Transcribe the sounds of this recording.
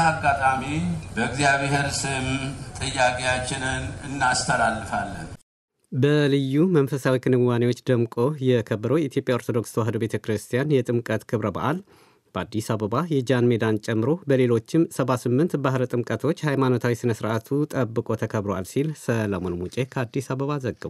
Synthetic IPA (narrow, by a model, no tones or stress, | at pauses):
aɡːat̪ʼamibəɨɡzijaβeɦeɾsɨmt̪ʼɨjakʼejat͡ʃːɪnɨnɨnːast̪ʰəlalːɨfalːə̰n | bəlɨjːumənfəsawikʰɨnɨwanewot͡ʃːd̪əmkʼo̞jɛkʰəbːəɾəwjɛit̪jo̞pʼjao̞ɾt̪ʰo̞d̪o̞ksʰwaɦɨd̪obe̞t̪ʰəkɾɨst̪ʰijanjɛt̪ʼɨmkʼət̪kʰɨβɾəba̰ʔal | b̥əad̪ːisaβəβajɛd͡ʒanmed̪ant͡ʃʼɛmːɨɾo̞bəle̞lo̞t͡ʃːɪmsəβasɨmːɨnt̪baɦɾət̪ʼɨmkʼət̪ʰo̞t͡ʃːhajmano̞t̪ʰawisɨnəsɨɾʔat̪ʰut̪ʼəbːɨkʼo̞t̪ʰəkʰəβɾwalsilsələmonmut͡ʃʼekʰəad̪ːisaβəβazəɡːəβ